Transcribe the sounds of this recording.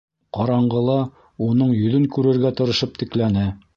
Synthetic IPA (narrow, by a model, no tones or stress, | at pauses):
qɑɾɑɴɢɤ̆lˠɑ | unɤɴjɵ̆ðɵŋkʉɾɘ̆ɾɡæt̪ɤ̆ɾɤ̆ʃɤp̚t̪ɘ̆klænɘ